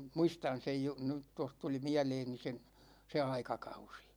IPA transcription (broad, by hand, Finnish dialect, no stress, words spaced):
muistɑn sej ju ny toh tuli miæleːni se se ɑikɑkɑusi̥